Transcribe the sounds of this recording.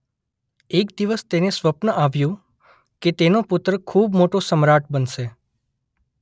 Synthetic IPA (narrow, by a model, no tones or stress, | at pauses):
ekd̪iʋəst̪enesʋəpnəʔaʋjũ | ket̪enopʊt̪ɾəkʰubmoʈosəmɾaʈ̚ʰbənʃe